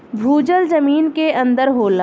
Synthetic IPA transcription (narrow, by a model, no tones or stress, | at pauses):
bʱuːd͡ʒəld͡ʒəmiːnkeʔɐ̃nd̪əɾɦoːlaː